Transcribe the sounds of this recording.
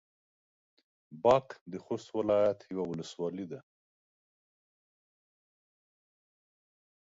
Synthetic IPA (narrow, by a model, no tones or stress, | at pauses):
bɑkd̪əxost̪wɪlɑjat̪jawawʊləswɑlid̪a